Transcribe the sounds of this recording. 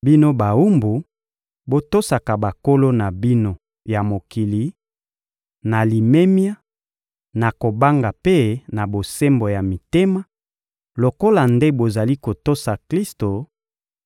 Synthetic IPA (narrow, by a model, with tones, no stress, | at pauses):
bi˦no˦ba˨u˦mbu˨ | bo˦to˦sa˨ka˨ba˨ko˦lo˦na˨bi˦no˦ | ja˨mo˨ki˨li˨ | na˨li˨me˦mja˦ | na˨ko˨ba˦ŋɡa˨pe˦na˨bo˨se˦mbo˨ja˨mi˨te˦ma˦ | lo˨ko˦la˨nde˦bo˨za˨li˦ko˨to˦sa˨kli˦sto˨